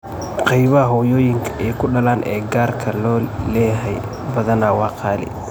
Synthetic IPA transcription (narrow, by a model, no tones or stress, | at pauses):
qɑjβɐhɐɦɔːjɔːjɪŋkʰɐʔɛjkʰʊɖɐlaːnʔɛːɡaːrkʰɐlɔːlɛːɦɛj | bɐðɐnaːwɑːqʰɑːlɪ̰